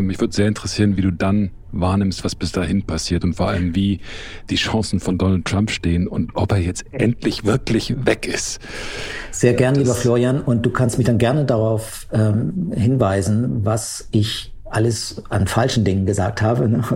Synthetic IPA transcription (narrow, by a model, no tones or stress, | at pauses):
mɪçv̥ʏɐdəz̥eːɐɪntəʁ̥ɛsiːʁənviːduːdan | vaːɐnɪmstv̥asb̥ɪsd̥aːɦɪnpʰasiːɐtʊntfɔɐʔa̰ləmviːd̥iːʃãŋsn̩fɔndɔnəl̩tʁ̥ampʃteːənʊntʔɔpeːɐjɛt͡stʔɛntʰlɪçv̥ɪɐklɪçvɛkɪst | z̥eːɐɡɛɐnliːbɐfloːʁianʔʊnt̚d̥uːkʰanstmɪçd̥anɡɛɐnədaʁaʊf | ʔɛːmhɪnvaɪzn̩vas | ɪç | ʔaləsʔanfalʃn̩dɪŋənɡəzaːk̚thaːbənə